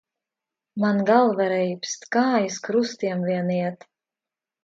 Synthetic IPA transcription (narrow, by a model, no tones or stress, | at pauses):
manɡalˠvɛɾɛjpst̪kaːjɨskɾust̪iɛmviɛniɛt̪